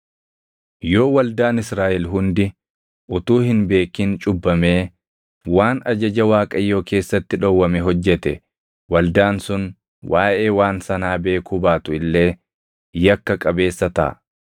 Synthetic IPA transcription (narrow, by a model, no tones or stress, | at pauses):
jo̞ːwɐld̪aːnɪsɾaːʔɛlɦʊnd̪ɪ | ʔʊt̪uːhɪnbe̞ːkːɪnt͡ʃʼʊbːɐmeː | waːnɐd͡ʒɐd͡ʒɐwaːkʼɐjːo̞ːke̞ːsːɐt̪ːɪᶑɔwːɐmɛɦɔd͡ʒːɛt̪ɛ̰ | wɐld̪aːnsʊn | waːʔe̞ːwaːnsɐnaːbe̞ːkʊbaːt̪ʊɪlːe̞ː | jɐkːɐkʼɐbe̞ːsːɐt̪ɐ̰ː